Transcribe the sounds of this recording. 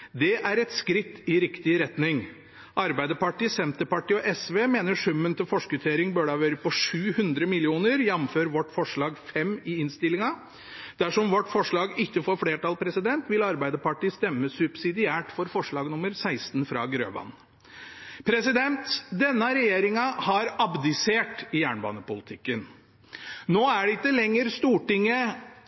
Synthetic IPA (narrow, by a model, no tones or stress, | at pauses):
d̪ɛʔæɾɛt̪skɾɪt̪ːɪɾɪkt̪ɪɾɛt̪nɪŋ | ʔɑɾbæɪd̪əpɑʈiːsɛmt̪əpɑʈiːɔʔɛsʋeːmeːnəʂʉmːənt̪ɪlfɔʂkʉt̪ʰeːɾɪŋbøːɖɑʋøːɾəpɔʂʉːhʉnd̪ɾəmɪlɪuːnəɾjɛmføːɾʋɔʈːfɔʂɭɑːɡfɛmːɪɪnst̪ɪlɪŋɑ | d̪̥æʂɔmʋɔʈːfɔʂɭɑːɡɪçːəfɔɾfɽeːʈɑlpʰɾɛsɪd̪ɛnt̪ʋɪlɑɾbæɪd̪əpɑʈiːst̪ɛmːəsʉbsɪd̪ɪæːʈfɔɾfɔʂɭɑːɡnʊmːəɾsæɪst̪nfɾɑ̰ːɡɾø̰ːʋɑ̰ːn | pʰɾɛsɪd̪ɛnt̪d̪ɛnːɑɾɛjeːɾɪŋɑhɑɾɑbd̪ɪseːʈɪjæːɳbɑ̰ːnəpʊlɪt̪ʰɪkːən | noːæɖɛɪt̪ːəlɛŋːəɾst̪uːʈɪŋːə